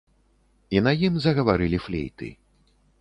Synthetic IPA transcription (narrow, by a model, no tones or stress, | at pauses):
inɐjimzɐɣɐvaɾɨlʲiflʲḛjt̪ɨ̰